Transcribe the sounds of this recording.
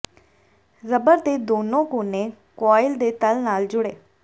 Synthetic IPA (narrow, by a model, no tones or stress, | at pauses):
zəbəɾd̪eːd̪oːnõːkoːnẽːkɔːɪld̪eːt̪əlnaːld͡ʒʊɽeː